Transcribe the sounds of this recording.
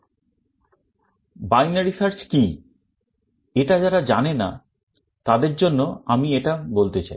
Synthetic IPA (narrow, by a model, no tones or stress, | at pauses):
bajnaɾisaɾt͡ɕki | eʈad͡ʑaɾad͡ʑanena̰ | t̪ad̪eɾd͡ʑonːoamieʈabolt̪et͡ɕa̰i